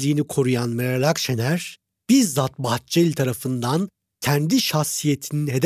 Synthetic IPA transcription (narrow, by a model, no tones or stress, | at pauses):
lʲiːnikʰo̞ɾujanmeɾalʲakʃenæɾ̥ | b̥iɾzat̪bah̚t͡ʃelʲt̪ʰaɾafɯnd̪an | cʰænd̪iʃaxsije̞t̪ʰininɦe̞d̪